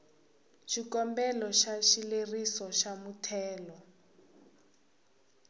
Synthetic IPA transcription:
ʃikɔmbɛlɔʃaʃilerisɔʃamutʰɛːlɔ

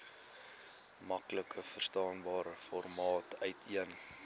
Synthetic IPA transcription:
mɐkləkʰəfərstɑːnbɑːɾəfɔrmɑːtœɥtʰiən

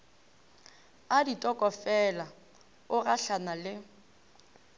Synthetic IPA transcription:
aditʼɔkʼɔfɛla | ʊraɬanalɪ

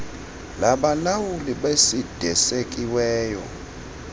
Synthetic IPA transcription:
laɓalawuliɓesid̥ʱɛsekʼiwɛːjɔ̰

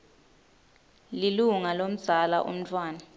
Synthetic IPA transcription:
liluŋalom̩z̥ʱala̰ʔṵm̩tʰʼwaːna

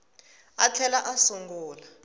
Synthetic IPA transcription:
at͡ɬʰɛlaʔasuŋɡuːla

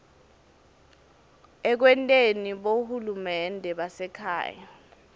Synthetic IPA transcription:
ɛk̬wɛntʼeniɓohulumɛndʱɛɓasɛkʰa̰ːja

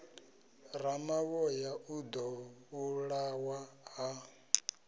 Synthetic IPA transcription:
ɾamawɔjaʔud̪ɔuɺawaɦa

